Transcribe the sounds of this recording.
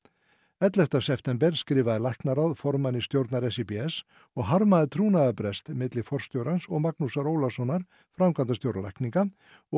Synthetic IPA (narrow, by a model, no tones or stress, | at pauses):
ɛt̪lɛft̪asɛft̪ɛmpɛɾskɾɪːvaðɪlajhknaɾawðfɔɾmanist̪jowɾt̪naɾɛsipiɛs | ɔɣɦaɾmaðɪt̪ʰɾuːnaðapɾɛst̪mɪt̪lɪfɔr̥st̪jowɾansɔɣmaknusaɾoːwlasɔnaɾ̥ | fɾamkʰant̪ast̪jowɾala̰jhkniŋka | ɔ